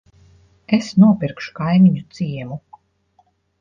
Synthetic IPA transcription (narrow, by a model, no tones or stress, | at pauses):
esnuɔpiɾkʃu̥kajmiɲut̪siɛmu